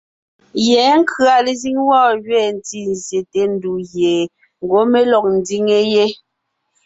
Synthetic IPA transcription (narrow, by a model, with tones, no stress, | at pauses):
jɛː˨˦ŋ̩˦kʰɰa˨le˨zi˦ŋwɔː˦˨jɥɛː˦˨n̩˨ti˦n˨zje˨te˨˦n̩˦du˨ɣje˨ | ŋ̩˨ɡo˨˦me˦lɔ˨k̚n̩˨˦di˦ŋe˦je˦